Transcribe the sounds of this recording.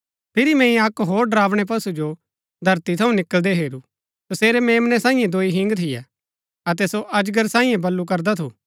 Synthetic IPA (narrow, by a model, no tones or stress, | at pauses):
pʰɪɾimɛ̃ːĩɐkɦoːɾɖɐɾaːʋɽ̃ɛp̬ɐsud͡ʒo | d̪ʱɐɾt̪it̪ʰɐũnɪkəld̪ɛɦeːɾu | soseːɾɛmeːmnɛsãːĩjẽd̪oːiɦɪ̃ŋɡt̪ʰɪjɛ̰ | ɐt̪̬ɛsoʔɐd͡ʒɡəɾsãːĩẽbɐlːuk̬ɐɾd̪at̪ʰuː